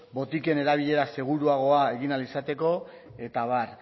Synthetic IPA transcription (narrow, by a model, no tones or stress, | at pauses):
bo̞t̪ike̞ne̞ɾaβ̞iʎe̞ɾase̞ɣ̞uɾuaɣ̞o̞ae̞ɣinalisat̪e̞ko̞ | e̞t̪aβar